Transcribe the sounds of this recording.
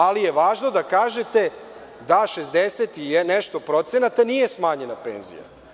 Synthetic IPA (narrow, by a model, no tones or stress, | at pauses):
alije̞ʋaːʒno̞d̪akaːʒet̪e̞ | d̪aʃezd̪eset̪ijeneʃt̪o̞pɾo̞t̪se̞nat̪anije̞smaːɲe̞napḛːnzḭja̰